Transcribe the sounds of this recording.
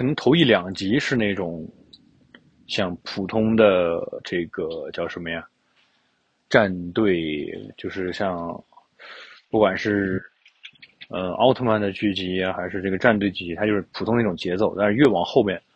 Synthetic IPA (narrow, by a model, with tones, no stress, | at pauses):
kʰɤ˨˩nɤ˧˥ŋt̪ʰo˧˥ʊi˥˩ljɑ˨˩ŋt͡ɕi˧˥ʂɻ̩˥˧ne˥˩ɪʈ͡ʂʊ˨˩˦ŋ | ɕjɑ˥˧ŋpʰu˨˩t̪ʰʊ˥ŋd̪ə˧ʈ͡ʂɤ˥˩ɡə˩t͡ɕjɑ˥˩ʊʂə˧˥mə˧ja˥˩ | ʈ͡ʂa˥˧nt̪we˥˧ɪt͡ɕjo˥˧ʊʂɻ̩˥˧ɕjɑ˥˧ŋ | pu˥˩kwa˨˩nʂɻ̩˥˧ | ə˧ɑ̰˥ʊt̪ʰo˥˧ma˥˩nd̪ə˩t͡ɕy˥˩t͡ɕi˧˥a˧xa˧˥ɪʂɻ̩˥˧ʈ͡ʂɤ˥˩ɡə˩ʈ͡ʂa˥˧nt̪we˥˧ɪt͡ɕy˥˩t͡ɕi˧˥t̪ʰa˥t͡ɕjʊʂɻ̩˥˩pʰu˨˩˥ŋd̪ʊ˨˩ŋt͡ɕjɛ˧˥t͡so˥˩ʊt̪a˥˧nʂɻ̩˥˧ɥɛ˥˩wɑ˨˩ŋxo˥˧ʊpjɛ˥˩n